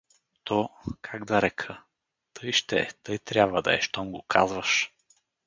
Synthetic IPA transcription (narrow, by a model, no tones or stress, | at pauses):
t̪ɔkʰaɡd̪ɐɾɛkʰə | t̪ɤjʃt̪ɛt̪ɤjt̪ɾʲjabvɐd̪ɐ̰ɛ̰ʃt̪ɔmɡokʰa̰zvɐʃ